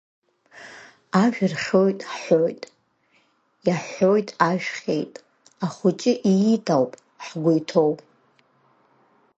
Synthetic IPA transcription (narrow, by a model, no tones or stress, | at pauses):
aʒᶣrχʲojtʼħojtʼ | jaħojtʼaʒᶣχʲḛjtʼ | aχʊt͡ʃʼɪʔijitʰʼawpʼ | ħɡʷʊjtʰo̞wpʼ